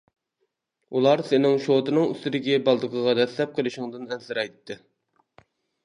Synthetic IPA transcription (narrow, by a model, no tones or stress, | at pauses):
ulˠɑɾsɪnɪŋʃot̪ɨnɨŋy̰st̪ɪd̪ɪɡʲɛbɑlˠd̪əqʰəʁɑd̪ɛslɛp̚qʰəlˠɨʃɪŋd̪ɨnɛnsɨɾɑjt̪ʰːɨ